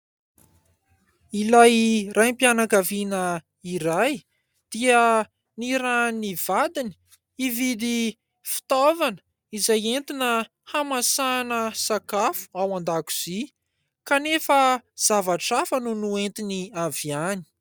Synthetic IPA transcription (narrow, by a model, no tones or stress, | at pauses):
ilajrajmpianakavinə | iɾaj | d̪̥iə | niɾaniv̥ad̪ini̥ | ivid̪i | fi̥t̪ovanə̥ | izajent̪inə | hamasanəsakafu̥awand̪aku̥z̥i | kanefəz̥avaʈ͡ʂafənunuent̪iniavjani̥